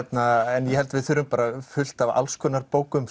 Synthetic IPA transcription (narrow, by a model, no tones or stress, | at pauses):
t̪naɛnjɛhɛlt̪vɪðθʏɾʏmpaːɾafʏl̥t̪ava̰lskʰœːnaɾpoːwkʏm